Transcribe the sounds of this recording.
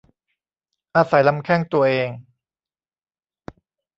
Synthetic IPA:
ʔaː˧sa˩˦jla˧mkʰɛː˥˩ŋt̪u˧ɐʔeː˧ŋ

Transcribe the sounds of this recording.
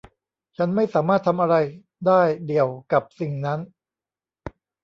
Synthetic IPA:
t͡ɕʰa˦˥nma˥˩jsaː˩˦maː˥˩t̪ʰːa˧mʔa˧ɾa˧j | daː˥˩jdi˨˩əwka˨˩p̚si˨˩ŋna˦˥n

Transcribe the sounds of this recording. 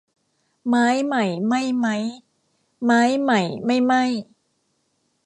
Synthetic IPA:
ma˦˥jma˦˩jma˥˩jma˦˥j | ma˦˥jma˦˩jma˥˩jma˥˩j

